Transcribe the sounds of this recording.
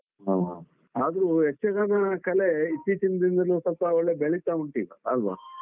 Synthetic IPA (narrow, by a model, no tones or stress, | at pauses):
ɦama̰ | aːd̪ɐɾuɦet͡ʃːɐɡaːnɐkɐleit̪ːit͡ʃind̪ind̪ɐlusɐlpaɔɭːebeɭit̪aːuɳʈiːɡɐ̰ɐlʋa̰